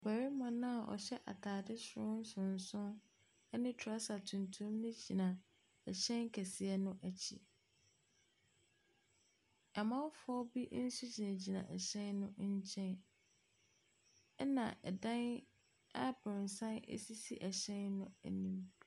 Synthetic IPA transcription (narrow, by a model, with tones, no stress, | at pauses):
bæ˨ɾi˦mã˨nã˦a˨ʔɔ̰˨ɕɛ˦ʔa̰˨tʰaː˨dɪ˦sɾʊ̃˦n̩˦sʊ̃˨n˨sʊ̃˦n | ɛ˦nɪ̃˦tʰa˦sa˨tʰũ˨ntʰũ˦mnɪ̃˦d͡ʑi˨nã˨ | ɛ˨ɕɛ̃˦nkʰæ˨sɪ˨ɛ˦nʊ̃˦ʔæ˨t͡ɕʰḭ˦ | a˨mã˦wfɔ˦bi˦ʔn̩˦su˦d͡ʑi˨nã˨d͡ʑi˨nã̰˨ʔɛ˨ɕɛ̃˦nnʊ̃˦ɲ̩˦t͡ɕʰɛ̃˦n | ɛ˦nã̰˨ʔɛ˨dã˦n | a˦bʊ̃˨n˨sã˦nḛ˦si˦si˦ʔɛ˨ɕɛ̃˦nːʊ̃˦æ̰˨nĩ˦m